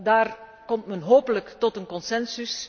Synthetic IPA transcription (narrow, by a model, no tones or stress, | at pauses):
daːr | kɔmtmɛnɦoːpələktɔtənkɔnsɛnsys